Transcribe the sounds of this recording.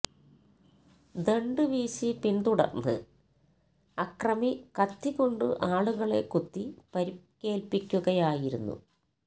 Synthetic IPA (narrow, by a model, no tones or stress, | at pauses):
d̪eɳɖɨʋiːsipind̪uɽɐ̰rnːɨ̰ | ɐkrɐmikɐt̪ːiɣo̞ɳɖɨ̰ʔaːɭuɣɐɭe̞̰kut̪ːipɐɾikːe̞ːlpikʲːuɣɐjaːjiɾunːṵ